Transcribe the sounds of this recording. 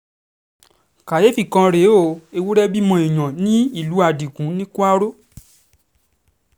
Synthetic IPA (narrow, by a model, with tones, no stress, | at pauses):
ka˨je˨˦fi˨kã˧ɾe˨˦o˦˨e˧wu˦ɾɛ˦bi˦mɔ̃˧i˨j̃ã˨nĩ˦i˦˨lu˨˦a˧di˨kũ˨˦nĩ˦ku˦a˦ɾo˦